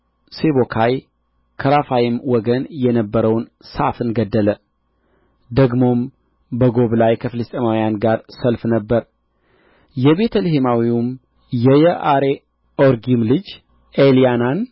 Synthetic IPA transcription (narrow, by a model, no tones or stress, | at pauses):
seβokʰaj | kʰəɾafajɪmwɔɡənjɛnəbːəɾəwnsafɨnɡəd̪ːələ | d̪əɡmo̞m | bəɡo̞βlajkʰəfɨlɨst̪ʼemawjanɡaɾsəlfnəbːəɾ | jɛbe̞t̪ʰəlhemawim | jɛjəʔaɾe | oɾɡimlɨd͡ʒ | ʔelijanan